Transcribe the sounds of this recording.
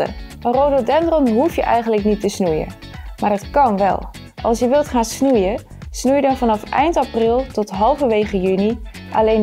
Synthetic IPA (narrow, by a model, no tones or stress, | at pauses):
ə̰ɑnrowdədɛndrɔnɦufjəʔɛjχənləknitəsnujə̰ | maːɹrɑtkɑnʋɛ̰lˠ | ʔɑ̰lˠsjəʋɪlˠtχaːnsnujə | snujədɑnvɑnɑfʔɛ̰jntɑprɪlˠtɔtɦɑlˠvəʋejχəjyni | ʔa̰lejn